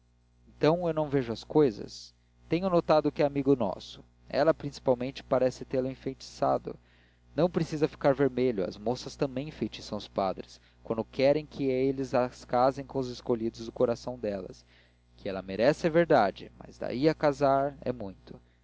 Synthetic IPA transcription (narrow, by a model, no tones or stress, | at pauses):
ẽt̪ɐ̃w̃ewnɐ̃w̃veʒʊɐskojzɐ̰s | t̪ẽɲʊnot̪ad̪ʊkɪɛamiɡʊnɔ̰sʊ̥ | ɛ̰lɐpɾĩsi̥pawmẽnt͡ʃɪ̥paɾɛsɪt̪elʊĩfẽjt͡ʃi̥sa̰d̪ʊ̰ | nɐ̃w̃pɾesizɐfi̥kaɾveɾmeʎʊɐ̰zmosɐst̪ɐ̃mbẽj̃fejt͡ʃisɐ̃w̃ʊspad̪ɾɪs | kwɐ̃nd̪ʊkɛɾẽj̃kʰɪelɪzaskazẽj̃kõʊzɪskoʎid̪ʊzd̪ʊkoɾasɐ̃w̃d̪ɛlɐ̰s | kʰɪɛlɐmeɾɛsɪɛveɾd̪ad͡ʒɪma̰zd̪a̰iɐkazaɾɛ̰mũj̃t̪ʊ̥